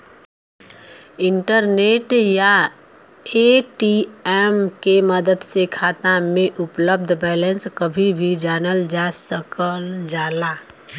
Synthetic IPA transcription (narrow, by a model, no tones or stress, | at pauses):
ɪ̃ɳʈəɾneːʈja | eʈiɛːmkeməd̪əd̪sekʰaːt̪amẽʔʊpləb̚d̪ʱbɛːlə̃nskəbʱibʱid͡ʒaːnəld͡ʒaːsəkəld͡ʒaːlaː